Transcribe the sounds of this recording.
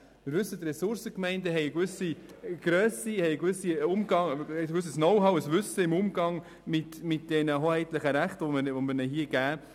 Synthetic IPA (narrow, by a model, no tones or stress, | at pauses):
mɪɾvʏsːət̪ɾɛsʊɾsəkmɛɪndəɦɛɪkvʏsiɡ̥ɾœːsihɛjkvʏsiʊmɡɑŋɛkʋʏs̬əsnɔwɦɑwəsvʉsəɪmʊmɡɑŋ | mɪtmɪt̚d̥ɛnəɦohɛɪt̪ləχəɾæχtəʋɔməʋɔməɾnɛɦiəɡæː